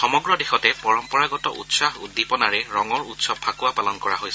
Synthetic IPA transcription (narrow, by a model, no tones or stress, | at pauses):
xɔmɔɡɹɔdexɔtɛpɔɹɔmpɔɹaɡɔtɔ̰ʔṵtsahudːipɔnaɹɛɹɔŋɔɹutsɔbʰakuwapalɔnkɔɹa̰ɦojsɛ